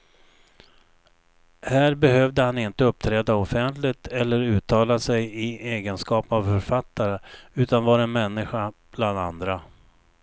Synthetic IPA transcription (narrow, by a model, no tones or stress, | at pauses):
hæːɾbɛɦœvd̪əhanɪnt̪əɵp̚t̪ʰɾɛːd̪aɔfɛnt̪lɪɡt̪ʰɛlːəɾʉ̟ːt̪ʰɑːlasɛjɪeːɡənskɑːpəavfœɾfat̪ːaɾəʉ̟ːt̪anvɑːɾaɛnmɛnːɪɧab̥land̪a̰nd̪ɾa